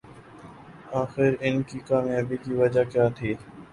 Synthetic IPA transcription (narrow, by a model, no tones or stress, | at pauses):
aːxɪɾɪnkiːkaːmjaːbiːkiːʋɐd͡ʒakjaːt̪ʰiː